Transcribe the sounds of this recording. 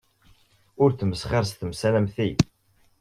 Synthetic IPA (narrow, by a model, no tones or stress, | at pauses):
ʊɾθməsχəɾs̬t̪əmsælæmθi